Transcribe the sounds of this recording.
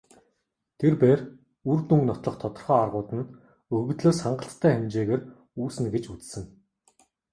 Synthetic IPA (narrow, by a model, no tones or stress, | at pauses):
t̪ʰerpeːr | urt̪uŋɡnɔt̪ɮɞ̆χt̪ʰɔt̪ɞ̆rχɔːarʁʊːt̪ə̆n | ɵrɣ̆t̪ɮoːsχaɴɢə̆ɬt̪ʰːæːχemt͡ɕeːɣeːr | uːsɘ̆nɡet͡ɕut͡ssɘ̆ŋ